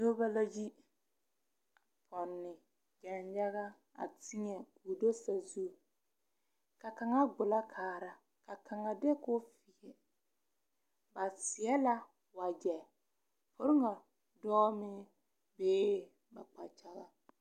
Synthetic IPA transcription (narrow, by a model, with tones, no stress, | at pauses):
do˦ba˦la˦ji˦˨ | pʰɔ˨nːɪ˨ | d͡ʒa˨ɲja˦ɣa˦ | a̰˨tɪ˦ɲɛ˨kʰuː˨do˦sa˨zu˦˨ | ka˨ka˨ŋa˦ɡʊ˨la˦kʰaː˨ɾa˨ | ka˨ka˨ŋa˨dɪ˦kʊ˦fɪ˨hɛ˨ | ba˨sɪ˨ɛ˦la˦ | wa˨d͡ʒɛ˨ | pʰʊ˦ɾɪ˦ŋa˨ | dɔː˦mɪ˦ | beː˦ | ba̰˨k͡pa˨t͡ʃa˨ɣa˦